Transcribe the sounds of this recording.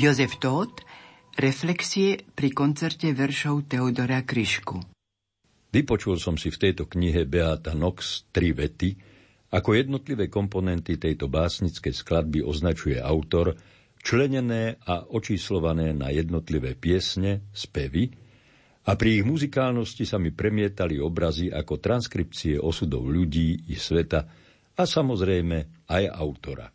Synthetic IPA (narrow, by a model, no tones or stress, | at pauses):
jɔzɛft̪ɔːt̪ | ɾɛflɛksiɛpɾikɔnt͡sɛɾcɛʋɛɾʃɔʊt̪ɛud̪ɔɾakɾiʃku | ʋipɔt͡ʃulsɔmsift̪ɛjt̪ɔkɲiɦɛbɛat̪anɔkst̪ɾiʋɛt̪i | akɔjɛd̪nɔt̪liʋɛːkɔmpɔnɛnt̪it̪ɛjt̪ɔbaːsɲit͡skɛjsklad̪̚biʔɔznat͡ʃujɛ̰ʔaʊt̪ɔɾ | t͡ʃlɛɲɛnɛːaʔɔt͡ʃiːslɔʋanɛːna̰jɛd̪nɔt̪liʋɛːpɪɛsɲɛspɛʋi | apɾiːɣmuzikaːlnɔscisamipɾɛmɪɛt̪aliɔbɾaziʔa̰kɔt̪ɾanskɾip̚t͡siɛʔɔsud̪ɔ̰ʊʎuɟiːisʋɛt̪a | asamɔzɾɛjmɛaja̰ʊt̪ɔɾa̰